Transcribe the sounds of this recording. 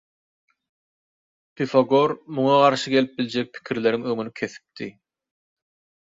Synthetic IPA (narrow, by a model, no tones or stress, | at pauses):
pʰifoɡo̞ɾmuŋɑʁɑɾʃɯɡe̞lip̚bilʲd͡ʒe̞k̚pʰi̥kʲʰiɾle̞ɾiŋøŋynykʲʰe̞θi̥p̚t̪i